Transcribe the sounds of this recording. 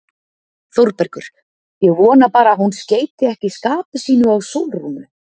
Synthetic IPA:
θowɾpɛɾkʏɾ̥ | jɛɣvɔːnapaːɾaɦunsceːjt̪ɪɛhcɪskaːpʏsiːnʏawsowlrunʏ

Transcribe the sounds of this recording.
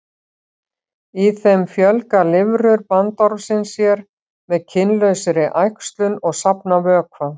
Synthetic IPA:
iθɛmfjœlkalɪvɾʏɾpant̪ɔɾvsɪnsjɛɾ | mɛðcʰɪnlœɥsɪɾɪʔajkst̪lʏnɔɣsapnavœːkʰva

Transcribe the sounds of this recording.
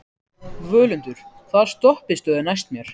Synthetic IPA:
vœːlʏnt̪ʏɾ̥ | θað̥st̪ɔhpɪst̪œðɪnajst̪mjɛɾ̥

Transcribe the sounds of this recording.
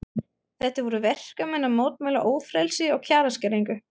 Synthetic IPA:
θɛht̪avɔɾʏvɛr̥kamɛnːamoːwt̪̚majlaʔoːwfɾɛlsɪɔɣcʰaːɾascɛɾiŋkʏ

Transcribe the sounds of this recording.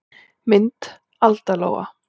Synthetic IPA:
mɪnt̪ | alt̪alo̰ːwɣa̰

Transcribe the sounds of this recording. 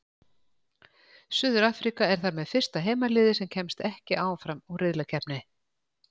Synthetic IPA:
sʏðʏɾaːfɾikaɛɾ̥θaɾmɛðfɪr̥st̪aɦeːjmalɪːðɪsɛmcʰɛmst̪ɛhcɪʔaːwafɾamɔɣrɪðlacʰɛpnɪ

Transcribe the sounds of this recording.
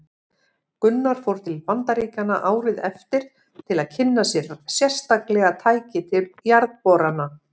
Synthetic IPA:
kʏnːaɾ̥fowɾ̥t̪ʰɪlpant̪aɾiːcanaʔaːwɾɪðɛft̪ɪɾ̥ | t̪ʰɪlaðcʰɪnːasjɛɾsjɛr̥st̪aklɛɣat̪ʰaːjcɪt̪ʰɪjaɾðt̪pɔɾana

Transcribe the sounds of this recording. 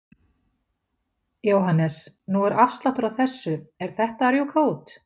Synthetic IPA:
jowɦanːɛsnuɛɾʔafst̪laht̪ʏɾawθɛsːʏɛɾ̥θɛht̪aɾjukʰauːt̪

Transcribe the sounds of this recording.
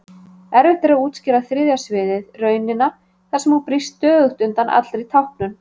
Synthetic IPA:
ɛɾvɪt̪ɪɾauːt̪scɪɾaθɾɪðjasvɪːðɪðrœːɥnɪnːa | θḁsɛmawpɾist̪ːœːðʏht̪ʏnt̪anʔa̰t̪lɾit̪ʰawhpnʏn

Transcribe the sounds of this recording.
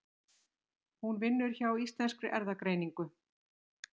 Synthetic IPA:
hunvɪnːʏɾ̥çawist̪lɛnskɾʏʔɛɾðakɾeːjniŋkʏ

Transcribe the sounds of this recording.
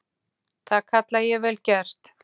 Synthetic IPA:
θaðkʰat̪lajɛvɛːlcɛr̥t̪

